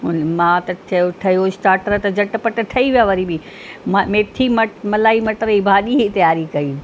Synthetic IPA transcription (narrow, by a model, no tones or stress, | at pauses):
ɦʊnmãːt̪ɐʈʰɐoʈʰɐjosʈaːɾʈɾət̪ɐd͡ʑɐʈpɐʈʈʰɐiʋijaʋɐɾibi | mamẽːʈʰimɐʈmɐlaːimɐʈɾɐibʱaːɗiɦit̪ɐjaːɾikɐiː